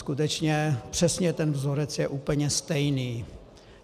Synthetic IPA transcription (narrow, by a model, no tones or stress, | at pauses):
kut̪ɛt͡ʃɲɛpr̝̥ɛsɲɛt̪ɛnvzoɾɛt͡sjɛʔuːpl̩ɲɛst̪ɛjniː